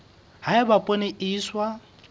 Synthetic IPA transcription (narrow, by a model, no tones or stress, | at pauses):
haɪbapʼoneʔiːswa